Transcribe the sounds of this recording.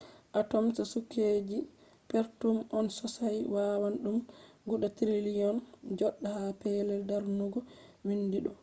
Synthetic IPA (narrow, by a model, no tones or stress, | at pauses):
ʔatɔmsasukːed͡ʒi | peɾtumɔnsɔsajwawanɗumɡuɗatɾilijɔnd͡ʒɔɗːahapɛlɛldaɾnuɡɔwindiɗɔ